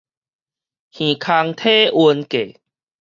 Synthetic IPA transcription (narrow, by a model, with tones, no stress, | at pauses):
hĩ˨˩kʰa˧ŋt̪ʰe˦ʔu˧nke˨˩˨